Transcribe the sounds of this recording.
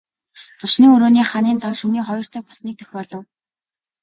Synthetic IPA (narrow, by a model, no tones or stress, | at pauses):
t͡sʊʃniːŋɵɾoːniːχaniːnt͡sakʃuniːχɔjɞ̆r̥t͡sə̆ːk̚pɔ̥sniːk̚t̪ʰɵ̥xʲpɔːɮɞ̆w